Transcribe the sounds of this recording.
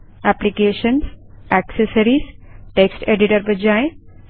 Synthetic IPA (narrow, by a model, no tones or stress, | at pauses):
æplikeːʃənsæksəsəɾiːsʈeksʈeɖiʈəɾbɐd͡ʑaːẽ